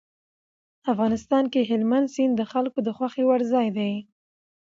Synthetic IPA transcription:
afɣɑnɪst̪ɑnkeɦɪlmand̪sind̪əxalkod̪əxwaxewaɽzɑjd̪aj

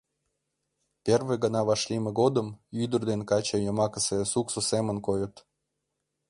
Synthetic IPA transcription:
pʲerveɣənɑβɑʃlʲimeɣod̪əmyd̪ərd̪enkɑt͡ɕəjəmɑkəsesuksosemənkojət̪

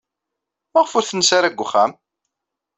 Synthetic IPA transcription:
mæʁfʊɾθənəsaɾæɡʷːχːæ̰m

